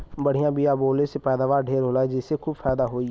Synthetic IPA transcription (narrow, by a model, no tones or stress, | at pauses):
bəɽ̤ijãːbiaːboːlesepɛːd̪aːʋaːɾɖʱeːɾɦoːlaːɛd͡ʒɪsekʰuːbfʰɛːd̪aɦoːi